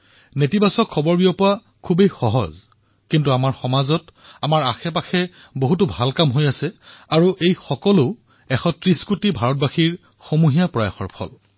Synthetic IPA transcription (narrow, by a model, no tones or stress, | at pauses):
netibasɔkʰːɔbɔɹbiɔpʊa | kʰubejxɔɦɔ̰z | kintuamaɹxɔmazɔtamaɹaxɛp̬axɛ | boɦutubʱalkamɦojasɛaɹuʔejxɔkɔlʊ | ɛxɔtɹiskutibʱaɹɔt̚baxiɹ | xomuɦijapɹɔja̰xɔ̰ɹpʰɔ̰l